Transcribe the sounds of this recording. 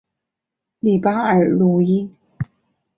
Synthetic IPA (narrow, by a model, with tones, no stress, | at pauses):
li˨˩paː˥ə˞˨˩lu˨˩ji˥